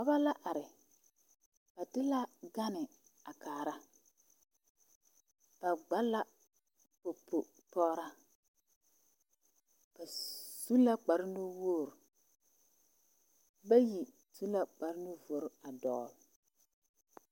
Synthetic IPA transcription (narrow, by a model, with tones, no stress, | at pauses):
ka˨ba˦la˦ʔa˨ɾɪ˨ | ba˨tɪ˦la˦ɡa˦nɪ˨ | a˨kaː˨ɾa˦ | ba˨ɡ͡ba˦la˦ | po˨pʰːo˨ | tɔː˦ɾa˦ | ka˨su˦la˦k͡pa˨ɾɪ˦nʊ˦woː˦˨ɾ | ba˦ji˨ | su˦la˦k͡pa˨ɾɪ˦nʊ˦vo˨ɾa˨dɔ̰˨l